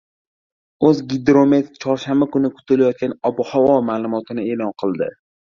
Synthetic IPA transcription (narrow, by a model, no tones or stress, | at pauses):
ɵzɡʲɪd̪ɾomet̪t͡ʃʰɒɾʃambakʊnɪkʰʊ̥t̪ʰɪlajɒt̪̚kʲanɒbɒhawɒmaːlˠʊmɒt̪ʰɪnɪe̞lɒnqʰɨlˠd̪ɪ̰